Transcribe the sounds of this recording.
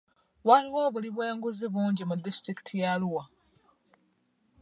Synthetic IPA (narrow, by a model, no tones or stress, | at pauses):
waliwoːβuliβweːŋɡuziβuːɲɟimudːistɾiki̥tʰijaluwa